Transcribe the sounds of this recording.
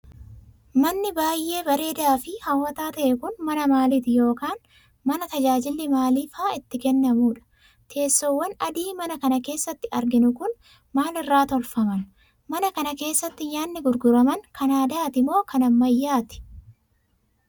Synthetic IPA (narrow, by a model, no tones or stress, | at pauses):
mɐnːɪbaːjʔːe̞ːbɐɾe̞ːd̪aːfɪhɐwːɐt̪aːt̪ɐʔɛkʊnmɐnɐmaːliːt̪ɪjo̞ːkaːn | mɐnɐt̪ɐd͡ʒaːd͡ʒɪlːɪmaːliːfaːɪt̪ːɪkɛnːɐmuːᶑɐ̥ | t̪ʰe̞ːsːɔwːɐnɐd̪iːmɐnɐkɐnɐke̞ːsːɐt̪ːɪɐɾɡɪnʊkʊn | maːlɪrːaːt̪ɔlfɐmɐn | mɐnɐkɐnɐke̞ːsːɐt̪ːɪjaːnːɪɡʊɾɡʊɾɐmɐnkʰɐnaːd̪aːt̪ɪmo̞ːkɐnɐmːɐjːaːt̪ɪ̥